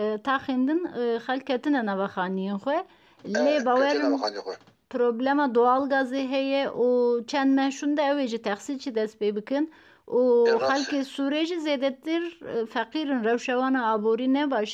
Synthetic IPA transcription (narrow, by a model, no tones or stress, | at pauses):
t̪ʰɑːxend̪ɨnxɛlk̚kʰːɛt̪ɨnɛnɑːvɑxɑːnijenxʷɛ | lebɑːwɛɾɨn | pʰɾoblɛmɑːd̪oɑːlɡɑːzeɦɛjɛʔut͡ʃʰɛnd̪mɛʃund̪ɛɛweʒit̪ʰɛxsilt͡ʃʰid̪ɛst̪̚peːbɨkɨn | uxɛlkesuɾeʒizeːd̪ɛt̪ɨɾfɛqiːɾɨnrɛwʃɛwɑːnɑɑːboɾiːnɛbɑːʃ